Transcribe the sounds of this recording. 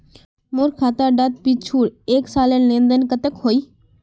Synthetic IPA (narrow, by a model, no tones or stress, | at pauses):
mʊɾkʰaːt̪aːɖəd̪̚piːt͡ʃʰuːɽeːksaːlənlẽːnd̪ənkət̪əkɦoːiː